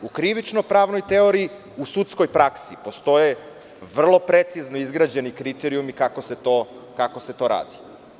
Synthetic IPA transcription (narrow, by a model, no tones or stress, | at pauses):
ukɾiʋit͡ʃnopɾaːʋno̞jt̪e̞o̞ɾiː | usut̪sko̞jpɾaksipo̞st̪o̞je | ʋr̩lˠo̞pɾe̞t̪sizno̞izɡɾad͡ʑe̞nikɾit̪eɾiumikakoset̪o | kako̞se̞t̪o̞ɾa̰ːd̪i̥